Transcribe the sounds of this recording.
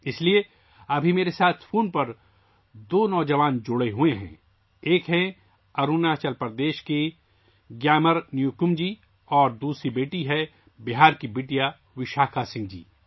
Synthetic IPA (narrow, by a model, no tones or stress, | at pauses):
ɪslie | ɐbʱimeːɾesaːt̪ʰfʰoːnpɐɾ | d̪oːnɔːd͡ʒəʋaːnd͡ʒʊɽeɦueɦɛ̰̃ː | eːkɦɛ̃ | ɐɾuːnat͡ʃɐlpəɾd̪eːʃke | ɡjaːməɾnjukʊmd͡ʒiː | ɔːɾd̪uːsɾibeːʈiɦɛ | bɪɦaːɾkibeːʈija | ʋɪʃaːkʰasɪ̃ŋɡd͡ʒḭː